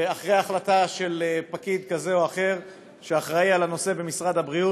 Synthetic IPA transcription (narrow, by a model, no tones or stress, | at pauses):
aχʁejaːχlataʃe̞lpakid̪kaze̞oaχe̞ʁ | ʃeaχʁaialano̞se̞be̞misʁad̪habʁiu